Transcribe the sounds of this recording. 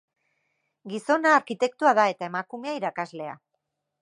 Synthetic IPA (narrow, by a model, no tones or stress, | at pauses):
ɡiso̞naːɾkit̪e̞k̚t̪uaðae̞t̪ae̞makume̞aiɾakazle̞a̰